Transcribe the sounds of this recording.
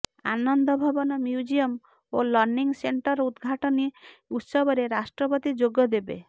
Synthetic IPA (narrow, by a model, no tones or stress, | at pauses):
anɔnd̪ɔbʱɔbɔnɔmjud͡ʒiɔm | olɔɾniŋseɳʈɔɾud̪ɡʱaʈɔniut̪sɔbɔɾeɾasʈɾɔpɔt̪id͡ʒoɡɔd̪ebḛ